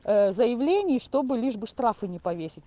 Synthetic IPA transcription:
zəjɪvlʲenʲɪjʂt̪o̞bɨlʲiʐbɨʂt̪ɾafɨnʲɪpɐvʲesʲɪt̚ʲ

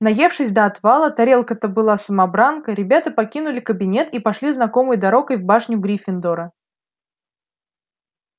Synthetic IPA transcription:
nɐje̞fʂɨsʲd̪əɐt̪valˠət̪ɐɾʲe̞lˠkət̪əbɨlˠasəmɐbɾankəɾʲɪbʲat̪əpɐkʲinʊlʲɪkəbʲɪnʲe̞t̪ipɐʂlʲiznɐko̞mɨjd̪ɐɾo̞kəjvbaʂnʲʊɡɾʲifʲɪnd̪oɾə

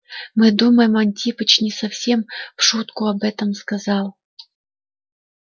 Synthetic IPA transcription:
mɨd̪uməjɪmɐnʲtʲipət͡ɕnʲɪsɐfsʲe̞mfʂut̪kʊɐbɛt̪əmskɐzɑlˠ

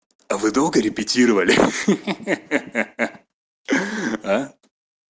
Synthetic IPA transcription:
ɐvɨd̪olˠɡəɾʲɪpʲɪtʲiɾəvəlʲɪ | a

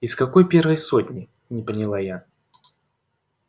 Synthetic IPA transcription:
iskɐko̞jpʲervəjsot̪ʲnʲɪ | nʲɪpənʲɪlˠaja

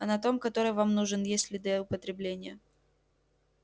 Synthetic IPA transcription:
ɐnɐt̪o̞mkɐt̪o̞ɾɨjvamnuʐɨnjesʲlʲɪd̪ʲəʊpət̪ɾʲɪblʲenʲɪjə

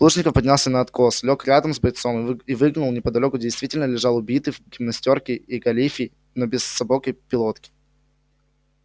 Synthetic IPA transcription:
lˠuʐnʲɪkəfpɐdʲnʲalˠsʲənəɐt̪ko̞slʲokɾʲad̪əmzbɐjt̪somivɨɡnʊlˠnʲɪpəd̪ɐlʲo̞kʊdʲɪjst̪vʲitʲɪlʲnəlʲɪʐɑlˠʊbʲit̪ɨkʲɪmɐsʲtʲo̞rkʲɪiɡɐlʲifʲɪ | nobʲɪsːɐbokəjpʲɪlˠot̪kʲɪ̥

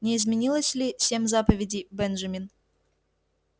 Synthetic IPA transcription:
nʲɪːzmʲɪnʲilˠəsʲlʲisʲe̞mʲzapəvʲɪdʲɪjbɛnʐɐmʲin

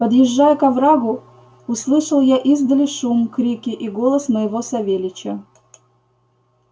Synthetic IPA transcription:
pəd̪jɪʐːajəkɐvɾaɡʊ | ʊslˠɨʂəlˠjaʔizd̪əlʲɪʂumkɾʲikʲɪʔiɡolˠəsməjɪvosɐvʲelʲɪt͡ɕə

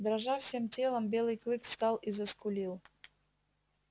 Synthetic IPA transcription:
d̪ɾaʐafsʲe̞mtʲelˠəmbʲe̞lˠɨjklˠɨkfst̪ɑlˠizəskʊlʲilˠ

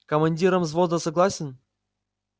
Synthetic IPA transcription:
kəmɐnʲdʲiɾəmzvozd̪əsɐɡlˠasʲɪn

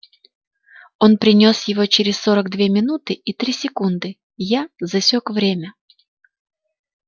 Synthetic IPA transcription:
o̞npɾʲɪnʲosjɪvo̞t͡ɕɪɾʲɪssoɾəɡd̪vʲe̞mʲɪnut̪ɨit̪ɾʲisʲɪkund̪ɨ | jazɐsʲokvɾʲemʲə

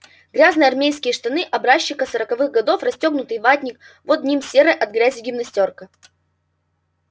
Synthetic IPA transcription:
ɡɾʲaznɨjɐrmʲejskʲɪjəʂt̪ɐnɨʔɐbɾaɕːɪkəsəɾəkɐvɨɣɡɐd̪o̞frɐsʲtʲo̞ɡnʊt̪ɨjvat̪ʲnʲɪk | vod̪̚ʲnʲimsʲe̞ɾɨjʔɐd̪̚ɡɾʲæzʲɪɡʲɪmnɐsʲtʲorkə

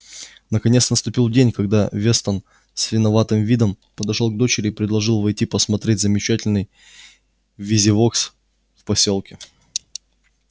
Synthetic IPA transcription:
nəkɐnʲesnəst̪ʊpʲilˠdʲenʲkɐɡ̚d̪avʲe̞st̪ən | sʲvʲɪnɐvat̪ɨmvʲid̪əm | pəd̪ɐʂo̞lˠɡ̚d̪o̞t͡ɕɪɾʲɪipɾʲɪd̪lˠɐʐɨlˠvɐjtʲipəsmɐt̪ɾʲet̚ʲzəmʲɪt͡ɕætʲɪlʲnɨj | vʲizʲɪvo̞ks | fpɐsʲo̞lˠkʲɪ

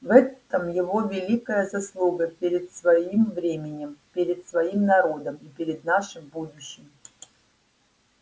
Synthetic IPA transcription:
vɛt̪əmjɪvovʲɪlʲikəjəzɐslˠuɡəpʲeɾʲɪt̪svɐimvɾʲemʲɪnʲɪmpʲeɾʲɪt̪svɐimnɐɾo̞d̪əmipʲɪɾʲɪd̪naʂɨmbud̪ʊɕːɪm

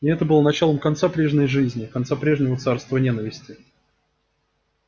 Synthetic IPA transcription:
ɪɛt̪əbɨlˠənɐt͡ɕalˠəmkɐnt̪sapɾʲe̞ʐnʲəjʐɨzʲnʲɪkɐnt̪sapɾʲe̞ʐnʲɪvət̪sarst̪vənʲenəvʲɪsʲtʲɪ

